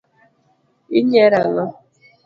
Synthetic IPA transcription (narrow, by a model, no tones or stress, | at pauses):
iɲeɾalɔ